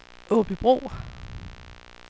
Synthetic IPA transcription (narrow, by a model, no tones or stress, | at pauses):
ʔɔ̽ːb̥ib̥ʁo̰ː